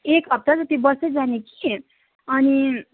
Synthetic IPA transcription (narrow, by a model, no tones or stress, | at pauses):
ekɦʌp̚t̪ad͡zʌt̪ibʌsʌd͡zaneki̥ | ʌni